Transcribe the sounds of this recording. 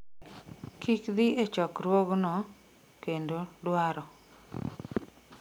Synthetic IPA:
kikd̪ɪet͡ʃɔkɾwoɡnɔ | kendodwaɾɔ

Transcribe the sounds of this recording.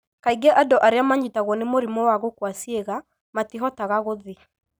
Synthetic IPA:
kaiɡɛʔadɔʔaɾeamaɲitaɣwɔnemoɾimɔwaɣokwasieɣa | matiɦɔtaɣaɣoðe

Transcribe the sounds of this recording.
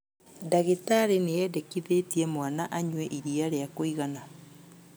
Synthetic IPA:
daɣetaɾenejɛdɛkiðetiɛmwanaʔaɲwɛʔiɾiaɾeakoiɣana

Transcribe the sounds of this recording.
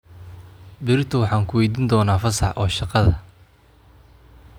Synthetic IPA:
bɪɾɪt̪ʰʊwɑħɑːŋkʰʊwɛjd̪iːnd̪ɔːnaːfɐsɑħʔɔːʃɑqɑðɐ̰

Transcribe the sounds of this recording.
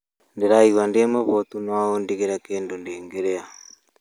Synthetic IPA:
ndeɾaiɣwandemaβot̪unwaondiɣeɾakeːndondeːŋɡeɾea

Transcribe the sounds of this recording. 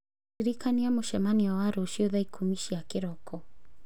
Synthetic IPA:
iɾikaniamoʃɛmaniawaɾuʃiɔðaikʰumiʃiakiɾɔkɔ

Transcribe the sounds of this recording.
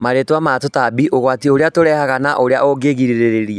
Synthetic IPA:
maɾetwamatotabiʔoɣwatioɾeatoɾɛhaɣanaʔoɾea̰ʔoɡeɣiɾiɾeɾeɾia

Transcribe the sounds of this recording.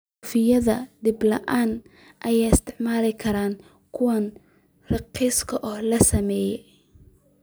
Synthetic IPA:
ufɪjɐðɐd̪ɪblɐ̰ʔaːn | ʔɐjaːjɪst̪ʰɪʕmaːlɪkʰɐɾaːŋ | kʰʊwɐn | rɑqiːskʰɐʔɔhlɐsɐmɛːjɛ

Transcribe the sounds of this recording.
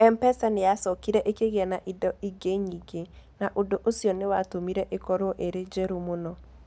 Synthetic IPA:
ɛmpɛsanejasɔkiɾɛʔekeɣeɛnaʔidɔʔiɡeɲiɡe | naʔodoʔosiɔnewatomiɾɛʔekɔɾoʔeɾed͡ʒɛɾomonɔ

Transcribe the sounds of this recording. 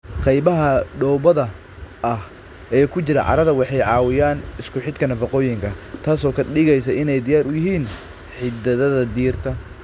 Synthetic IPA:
qɑjβɐɦɐɖɔːbɐðɐ | ʔɐh | ɛːkʰʊt͡ʃɪɾɐ̰ʕɑ̰ɾɐðɐwɑħɑjʕɑːwɪjaːnɪskʰʊħɪd̪kʰɐnɐfɐqɔːjɪŋkʰɐt̪ʰaːsɔːkʰɐɗɪɣɛjsɐɪnɛjd̪ɪjaːɾʊjɪɦiːn | ħɪd̪ɐðɐðɐd̪iːrt̪ʰɐ

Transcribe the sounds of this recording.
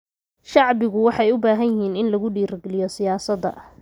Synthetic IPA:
ʃɑʕbɪɣʊwɑħɑjʊbaːɦɐnjɪɦiːnɪnlɐɣʊɖiːɾɐɡlɪjɔsɪjaːsɐd̪ɐ̰ʔ

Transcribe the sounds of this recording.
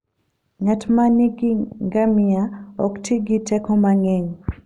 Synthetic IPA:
ŋatmaniɡŋɡamɪaɔktʰiɡitɛkɔmaŋɛŋ

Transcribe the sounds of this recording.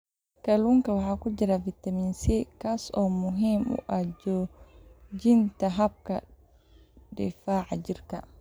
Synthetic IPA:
kaluŋkawaakud͡ʒiɾavitaminsɛkasɔmuɦimṵʔad͡ʒo | d͡ʒintaɦab̚ka̰ | dɛ̰faʕad͡ʒiɾka

